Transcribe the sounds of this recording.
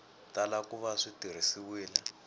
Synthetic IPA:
talakuβaʂitir̤isiwiːla

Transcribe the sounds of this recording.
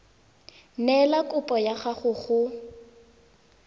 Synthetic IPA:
nɛlakʼʊpʼɔjaχaχʊɣʊ

